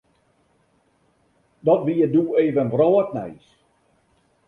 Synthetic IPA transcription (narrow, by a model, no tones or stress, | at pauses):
dɔtʋijəduːeːvənvrɔːtnɛ̰js